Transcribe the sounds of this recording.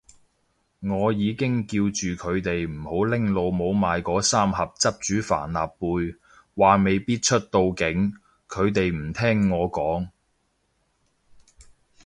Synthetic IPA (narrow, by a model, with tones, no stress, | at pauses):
ŋɔː˨˧jiː˨˧kɪ˥ŋkiː˧wt͡ʃyː˨kʰɵ˨˧ɥt̪e˨jm̩˨˩ho˨˥wlɪ˥ŋlo˧wmo˨˧wmaː˨˧jkɔː˨˥saː˥mhɐ˨p̚t͡sɐ˥p̚t͡ʃyː˨˥fa̰ː˨˩nla̰ː˨pːuː˧j | waː˨me˨˧jpiː˥t̚t͡ʃʰɵ˥t̚t̪o˧wkɪ˨˥ŋ | kʰɵ˨˧ɥt̪e˨jm̩˨˩t̪ʰɛː˥ŋːɔː˨˧kɔː˨˥ŋ